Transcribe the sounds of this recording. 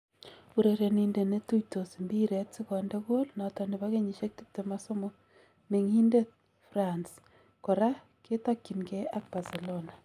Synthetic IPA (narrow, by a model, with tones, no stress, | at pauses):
u˨ɾe˨ɾe˨ni˨nde˨ne˦tu˦ito˨si˨mbi˦ɾetsi˦kɔ˨nde˦ɣo˦lna˨tɔ˨ni˨βa˦ɣe˦ɲi˨ʃe˦k̚ti˦p̚te˨ma˦so˦mɔ | me˨ŋhi˦nde˦ | frans | kɔ˨ɾa˦ | ke˦takːi˨nɡe˦a˦k̚b̥a˨se˨lona˨